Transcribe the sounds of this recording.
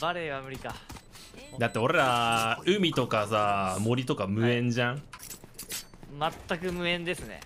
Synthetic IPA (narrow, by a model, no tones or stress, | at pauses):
baɾeβamɯ̟ɾʲika | d̪at̪ːe̞o̞ɾe̞ɾaɯ̟mʲit̪o̞kasamo̞ɾʲit̪o̞kamɯ̟ẽ̞ɲd͡ʑãŋ | mat̪ːakɯ̟mɯ̟ẽ̞nd̪e̞sɨnḛ